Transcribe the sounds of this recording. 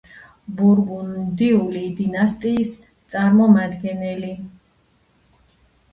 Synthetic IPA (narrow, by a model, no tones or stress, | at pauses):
buɾbunmd̪iulid̪inast̪ʼiːs | t̪sʼaɾmɔmad̪ɡɛnɛli